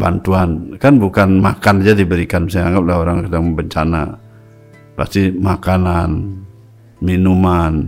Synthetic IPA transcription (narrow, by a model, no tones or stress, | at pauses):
ba̰nt̪uankanbukanmakand͡ʒadibəɾikansajaŋɡap̚laɦoɾaŋkadaŋbəɲt͡ʃana̰ | pa̰st̪imakanan | minuman